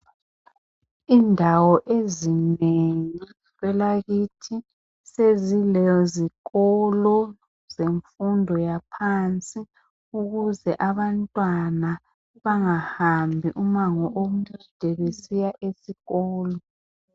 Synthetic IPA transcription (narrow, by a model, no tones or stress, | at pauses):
iːndʱawɔʔezineŋi | βɛlaɣitʰi | sezilɛziɣɔlɔ | z̥eɱfundʱɔjapʰant͡sʼi | uɣuzɛʔaβantʼwana | βaŋahambʱiʔumaŋɔʔomud̥ʱɛβesijaʔesiɣɔːlɔ